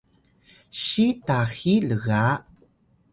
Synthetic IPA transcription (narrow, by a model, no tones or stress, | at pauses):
ɕitaxiləɣaʔ